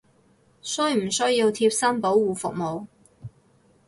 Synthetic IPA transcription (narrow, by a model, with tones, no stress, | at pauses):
sɵ˥jm̩˨˩sɵ˥ɥji˧wt̪ʰiː˧p̚sɐ˥npo˨˥wwuː˨˩fʊ˨k̚mo˨˧w